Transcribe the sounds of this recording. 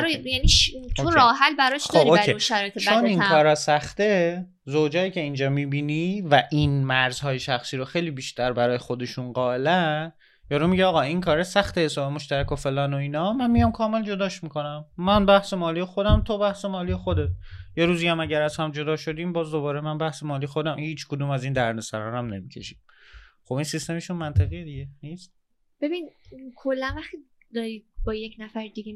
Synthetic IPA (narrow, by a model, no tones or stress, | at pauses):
ɾjænit̪oɾɒːɦælbæɾɒʃdd̪oːɾioːkɾʰeʃæɾɒːjet̪ʰet͡ʃʰoninkʰɒːɾɒsæxt̪e | zowd͡ʒɒːiːcʰʲe̞ind͡ʒɒːmiːbiːnivæʔinmæɾz̥hɒːje̞ʃæxsiːɾoxejlibiːʃt̪ʰæɾbæɾɒːjexod̪e̞ʃunɢɒːelæn | jɒːɾumiɟeɒːɣɒːinkʰɒːɾesæxt̪e̞hesɒːbemo̞ʃt̪æɾæko̞fe̞lɒːnoiːnɒmænmijɒmkʰɒːme̞ld͡ʒo̞d̪ɒːʃmiko̞næmːænbæhse̞mɒːlijexod̪æmt̪ʰobæhse̞mɒːlije̞xod̪et̪jeɾuːziæmæɟæɾæzhæmd͡ʒo̞d̪ɒːʃo̞d̪iːmbɒːzd̪o̞βɒːɾe̞mænbæhse̞mɒːliːjexod̪æmhiːt͡ʃʰkʰod̪uːmæziːnd̪æɾnesæɾɒːɾæmne̞micʰe̞̰ʃi̥m | χo̞binsist̪e̞meʃunmænt̪ʰeɣijed̪iɟe̞niːst̪̚ | b̥ebiːnkʰolːænvæχt̪i | d̪ɒɾiːbɒːjeknæfæɾd̪iɡe